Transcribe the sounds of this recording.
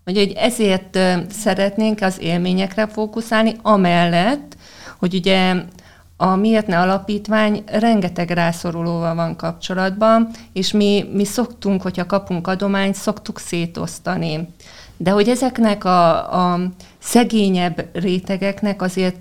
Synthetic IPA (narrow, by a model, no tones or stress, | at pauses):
hocho̞ɟɛzeːrt̪sɛɾɛt̪neːŋkɒzeːlmeːɲɛkrɛfoːkusaːlniɒmɛlːɛt̪ː | ho̞ɟuɟɛ | ɒmiert̪nɛɒlɒpiːt̪ʋaːɲrɛŋɡɛt̪ɛɡraːso̞ɾuloːvɒlvɒŋkɒp̚t͡ʃo̞lɒd̪bɒneːʃmimiso̞kt̪uŋkho̞chɒkɒpuŋkɒd̪o̞maːɲt̪so̞kt̪ukseːt̪o̞̰st̪ɒni | d̪ɛɦo̞ɟɛzɛknɛkɒ | sɛɡeːɲɛbreːt̪ɛɡɛknɛkɒzeːrt̪